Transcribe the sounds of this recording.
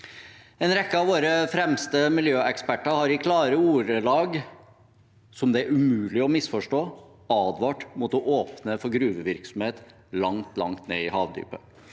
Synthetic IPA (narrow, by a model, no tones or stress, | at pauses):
ɛnɾɛkːəɑʋoːɾəfɾɛmst̪əmɪljøːʔɛkspæʈːəɾhɑɾʋɪkʰlɑːɾəuːɾəlɑːɡ | sɔmd̪ɛæɾʉmʉːlɪɔmɪsfɔʂʈoː | ɑːd̪ʋɑːʈmʊt̪ɔʔoːpnəfɔɾɡɾʉːʋəʋɪɾksɔmheːt̪ | lɑŋt̪lɑ̰ŋt̪nḛːɪhɑːʋd̪y̰ːpə